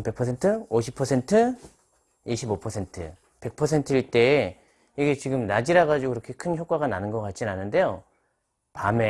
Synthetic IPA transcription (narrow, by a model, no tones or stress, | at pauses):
pe̞k̚pʰʌsʰe̞ntʰɯoɕʰipʰʌsʰe̞ntʰɯ | iɕʰibopʰʌsʰe̞ntʰɯ̰ | pe̞k̚pʰʌsʰe̞ntʰɯiɭt͈e̞ː | iɡe̞t͡ɕiɡɯmnad͡ʑiɾaɣad͡ʑiɡoiɾʌkʰe̞kʰɯnçjok͈aɣananɯnɡʌk͈at̚t͡ɕ͈inanːɯnde̞jo | pame